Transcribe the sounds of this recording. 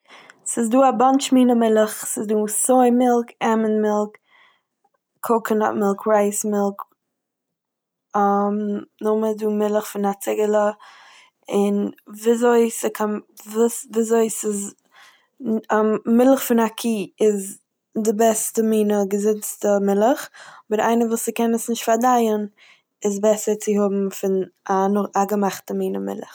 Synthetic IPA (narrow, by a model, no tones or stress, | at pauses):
sɪzduːabant͡ʃmiːnəmɪlˠəχsɪzduːsoɪmɪlˠkɛmənmɪlˠk | kʰokəna̰mɪlˠkʰɾaɪsmɪlˠk | amnʊməduːmɪlˠəχfɪnat͡sɪɡəlˠə | ɪnvizoɪsɪkʰanvusvizoɪsɪz | mɪlˠəχfɪnakʰiːɪz | dɪbɛstəmiːnəɡəzɪt͡stəmɪlˠəχbəɾa̰ɪnəvuːsɪkɛnəsnɪʃtfaɾdaɪən | ɪzbɛsəɾt͡sɪhʊbm̩fɪnanʊχaɡəmaχtəmiːnəmɪ̰lˠə̰χ